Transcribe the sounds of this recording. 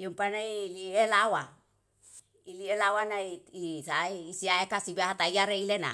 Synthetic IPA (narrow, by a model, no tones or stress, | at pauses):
jompanailielawa | ilielawanaiisaiːsiaekasibahat̪aiaɾeilena̰